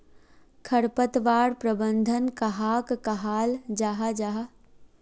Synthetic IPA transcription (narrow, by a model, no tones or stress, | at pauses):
kʰəɽpət̪ʋaːɽpɾəbə̃nd̪ʱənkɐɦaːkkɐɦaːld͡ʒaːɦad͡ʒaːɦa